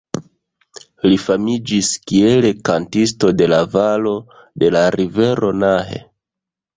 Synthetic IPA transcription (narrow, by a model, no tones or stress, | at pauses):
lifamid͡ʒiskie̞le̞kantis̬to̞de̞lavalo̞ | de̞laɾive̞ɾʔo̞naɦe̞̰